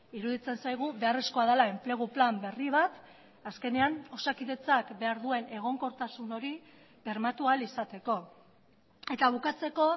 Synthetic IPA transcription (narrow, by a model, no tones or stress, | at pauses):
iɾuðit͡se̞nsajɣ̞uβe̞are̞sko̞að̞elae̞mple̞ɣ̞uplambe̞riβ̞at̪ | aske̞ne̞ano̞sakiðe̞t͡sakbe̞aɾðue̞ne̞ɣ̞o̞ŋko̞ɾt̪asuno̞ɾi | be̞ɾmat̪ualisat̪e̞ko̞ | e̞t̪aβ̞ukat͡se̞ko̞